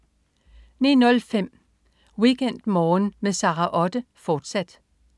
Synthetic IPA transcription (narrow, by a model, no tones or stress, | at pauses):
ninɔ̽lfem̰ | wiɡ̥en̰d̥mɒːnmesɑ̈ʁɑʔɒ̽d̥əfɒːd̥sæd̥